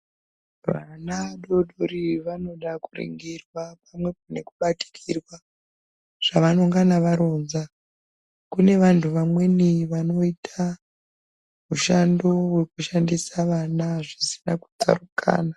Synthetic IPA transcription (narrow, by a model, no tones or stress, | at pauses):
ʋa̰naɗo̞ɗoɾiʋano̞ɗakurḭŋɡirwap̚amwe̞p̚ane̞kuɓati̥kʰirwa | ʐ̥aʋano̞ŋɡanaʋaɾo̞ːnza | kune̞ʋantʰuʋamwe̞niʋano̞itʰa | muʃando̞we̞kuʃandisaʋanaʐisi̥naku̥t͡sa̰rukʰa̰ːna